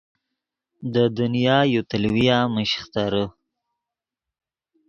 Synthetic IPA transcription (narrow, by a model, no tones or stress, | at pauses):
d̪əd̪ʊnijɑːjut̪əlwijaməʃχt̪aɾə